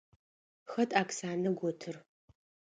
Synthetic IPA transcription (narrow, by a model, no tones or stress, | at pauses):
xɐtʰʼaːksaːnɐɡʷɔtʰɨr